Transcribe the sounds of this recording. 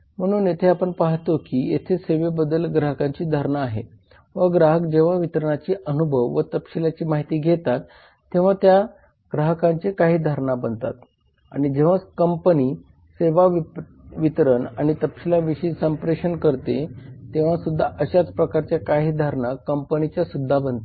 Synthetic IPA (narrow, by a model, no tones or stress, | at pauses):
m̤əɽ̃uːnjet̪ʰeapəɳpaɦt̪okiːjḛt̪ʰeseʋebəd̪əlɡɾaɦəkaɲt͡ɕiːd̪ʱaɾɳaːɦḛ | ʋəɡɾaɦəkd͡ʑeʋ̤aʋit̪ɾəɳat͡ɕiːʔənubʱəʋʋət̪əpɕilat͡ɕiːmaɦit̪iːɡʱet̪at̪ː | ẽʋ̤at̪ja | ɡ̥ɾaɦəkãɲt͡ɕekaɦiːd̪ʱaɾɳabənt̪a̰t̪ | a̰ɽ̃id͡ʑeʋ̤akəmpəniː | seʋaʋ | ʋit̪ɾənaɽ̃it̪əpɕilaʋiɕiːsəmpɾeɕənkəɾt̪et̪ẽʋ̤asud̪ʱːaʔəɕat͡spɾəkaɾt͡ɕjakaɦiːd̪ʱaɾɳakəmpənit͡ɕjasud̪ʱːabənt̪e